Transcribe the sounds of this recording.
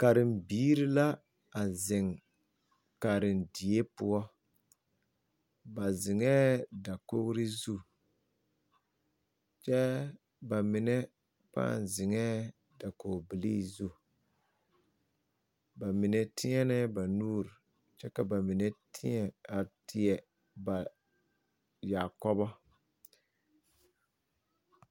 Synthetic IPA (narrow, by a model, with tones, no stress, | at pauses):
ka˨ɾɪ˨mbiː˦ɾi˦la˦ | a˨zɪ˨ŋ | ka˨ɾɪ˨ndɪ˨e˦pʊ˦ɔ˦ | ba˨zɪ˨ŋɛː˦da˨ko˦ɾɪ˦zu˦˨ | t͡ʃɛ˦ | ba˨mɪ˨nɛ˦ | pa̰ː˦˨n˨zɪ˨ŋɛː˦ | da˨ko˨bi˨li˦zu˦˨ | ba˨mɪ˨nɛ˦tʰɪ˦ŋɛ˦nɛ˦ba˨nuː˦ɾi˨ | t͡ʃɛ˦ka˨ba˨mɪ˨nɛ˦tʰɪ˦ɛ˨a˨tʰɪ˨ɛ˨ | ba˨ | ja˨kɔ˦bɔ˦